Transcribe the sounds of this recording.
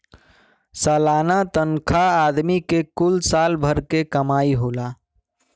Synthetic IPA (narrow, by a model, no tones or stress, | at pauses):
salanat̪ənkʰaːd̪mikekulsalbʱəɾkekəmaiɦola